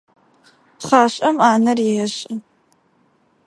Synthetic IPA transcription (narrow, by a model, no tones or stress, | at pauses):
χaːɕʼɐmaːnɐrɪɐɕʼɪ